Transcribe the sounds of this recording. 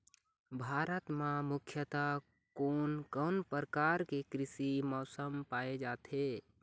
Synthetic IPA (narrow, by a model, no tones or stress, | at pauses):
bʱaɾət̪mãmukʰjət̪a | konkənpəɾəkaɾkekɾisimɔːsəmpaed͡ʒat̪ʰe